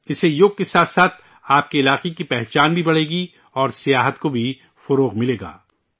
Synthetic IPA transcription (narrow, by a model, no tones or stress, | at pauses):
ɪsejʊɡ̚kesaːt̪saːt̪̚ʰ | aːp̚keɪlaːqekipɛɦt͡ʃaːnbʱibɐɽ̤eːɡi | ɔːɾsijaːɦət̪kobʱi | fɐɾoːɣmɪleːɡa̰ː